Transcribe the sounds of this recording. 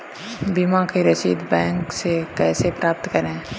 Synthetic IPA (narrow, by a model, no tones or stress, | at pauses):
bimãkiɾɐʃḭːd̪bɛ̃ːŋksekɛːsepɾaːp̚t̪kəɾẽ